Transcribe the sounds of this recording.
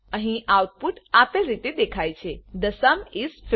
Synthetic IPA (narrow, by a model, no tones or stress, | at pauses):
əɦĩʔawt̪̚puʈapelɾit̪ed̪ekʰajt͡ʃʰed̪əsamisf